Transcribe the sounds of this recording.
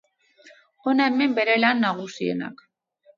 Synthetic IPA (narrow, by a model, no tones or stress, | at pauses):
o̞naeme̞mbe̞ɾe̞lanːaɣ̞usie̞̰na̰k